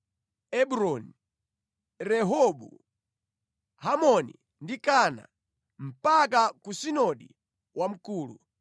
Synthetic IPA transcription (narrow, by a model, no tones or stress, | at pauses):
ɛbuɾɔni | ɾɛɦɔbṵ | hamɔnḭ | ndikana̰ | m̩pakakusinɔɗḭ | wʔam̩kuːlṵ